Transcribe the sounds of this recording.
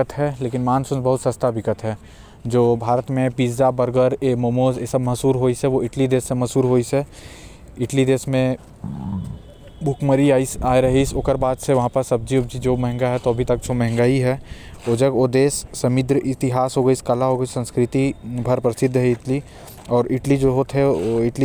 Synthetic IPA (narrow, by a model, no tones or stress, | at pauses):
ət̪ɦɛleːkɪnmaːnsʊ̃nbɐɦʊt̪sɐst̪ʰaʋɪkət̪ɦɛː | d͡ʒoːbʱaːɾət̪mẽpiːd͡ʒd͡ʒabəɾɡəɾemomoːzesɐbmɐɦsuːɾɦoːiseʋoɪʈlid̪eːsːemɐsuːɾɦoːise | ɪʈlid̪eːsmẽ | bʱʊkməɾiaːisaːeɾɐɦisoːkəɾbaːd̪seʋɐɦãpɐɾsɐb̚d͡ʒiubd͡ʒid͡ʒoːmɐɦɪ̃ŋɡaɦɛt̪oɐbʱit̪ɐk̚d͡ʒomɛ̃ɦɛ̃ŋɡaiɦɛod͡ʒəɡod̪eːsːɐmɪd̪ɾəʔɪt̪ɪɦaːsɦoːɡəiskɐlaɦoːɡəisə̃nskɾɪt̪ibʱɐɾpɾɐsɪd̪ʱːəɦɛɪʈli | ɔːɾɪʈlid͡ʒoːɦoːt̪ɦɛoɪʈli